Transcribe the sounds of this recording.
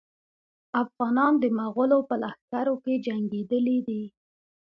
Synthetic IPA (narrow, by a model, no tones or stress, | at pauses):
afɣɑnɑnd̪əmaɣʊlopəlaxkaɾoked͡ʒaŋɡed̪əlid̪i